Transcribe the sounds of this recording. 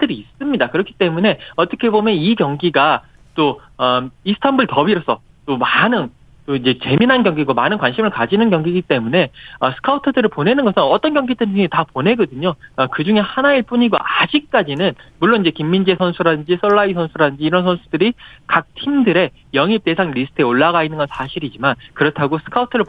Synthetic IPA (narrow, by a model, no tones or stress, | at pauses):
tʰɯɾiːs͈ɯmɲidakɯɾʌkʰi̥t͈e̞mune̞ʌt͈ʌkʰe̞bomjʌnikjʌŋɡiɡa | t͈o | ʌisʰɯ̥tʰambɯɭtʌbiɾʌs͈ʰʌ | t͈omanɯn | t͈oid͡ʑe̞t͡ɕe̞minɦanɡjʌŋɡiɡomanɯnkwanɕʰimɯɭkad͡ʑinɯnkjʌŋɡiɡit͈e̞mune̞ʌsʰɯ̥kʰautʰɯdɯɾɯɭpone̞nɯnɡʌsʰɯnʌt͈ʌnɡjʌŋɡidɯɯetapone̞ɡʌdɯɲoʌkɯd͡ʑuŋe̞hanaiɭp͈uɲiɡoʔad͡ʑik̚k͈ad͡ʑinɯnmuɭːonind͡ʑe̞kimːind͡ʑesʰʌnsʰuɾadɯnd͡ʑisʰʌɭːaisʰʌnsʰuɾadɯnd͡ʑiːɾʌnsʰʌnsʰudɯɾikak̚tʰimdɯɾe̞ | jʌŋip̚t͈e̞sʰaŋɾisʰɯ̥tʰe̞oɭːaɣainːɯnɡʌnsʰaɕʰiɾid͡ʑimankɯɾʌtʰaɡosʰɯ̥kʰautʰɯɾɯɭ